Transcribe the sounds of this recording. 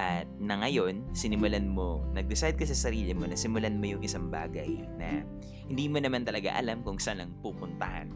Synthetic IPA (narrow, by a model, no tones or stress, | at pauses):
ʔɐt̪̚nɐŋɐjo̞nsɪnɪmʊlanmo̞nɐɡ̚d̪ɛsajd̪̚kɐsɐsɐɾiːlɪmo̞nɐsɪmʊlanmojʊŋʔɪsaŋba̰ːɡɐj | nɐ̰ | hɪnd̪iːmonɐmant̪ɐlɐɡa̰ʔɐ̰lamkʊŋsanɐŋpupʊnt̪ɐha̰n